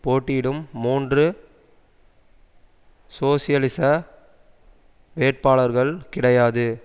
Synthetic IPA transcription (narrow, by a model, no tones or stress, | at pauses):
poːʈːɪɪɽɯmːuːndrɯ | soːsɪjɐlɪsɐ | ʋeːʈ̚paːɭɐɾɣɐɭkɪɽɐjaːðɯ